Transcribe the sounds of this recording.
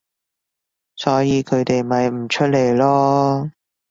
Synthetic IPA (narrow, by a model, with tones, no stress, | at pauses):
sɔː˨˥jiː˨˧kʰɵ˨˧ɥt̪e˨jmɐ˨jm̩˨˩t͡ʃʰɵ˥t̚le˨˩jlɔː˥